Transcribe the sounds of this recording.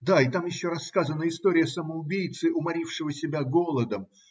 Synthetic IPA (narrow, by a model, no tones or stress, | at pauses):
d̪aɪt̪amjɪɕːoɾɐsːkazənəɪst̪oɾʲɪjəsəməʊbʲijt̪sɨʔʊmɐɾʲifʂɨvəsʲɪbʲaɡo̞lˠəd̪əm